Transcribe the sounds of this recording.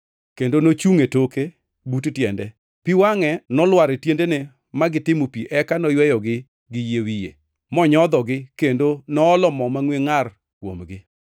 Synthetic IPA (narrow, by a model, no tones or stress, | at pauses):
kendonot͡ʃuŋetoke | buttjɛndɛ | piwaŋɛnɔlwaɾetjendene | maɡɪtɪmopiʔɛkanɔjwɛjɔɡɪ | ɡɪjewijḛ | mɔɲɔd̪ɔɡɪkendonɔːlɔmɔmaŋweŋar | kwo̰mɡɪ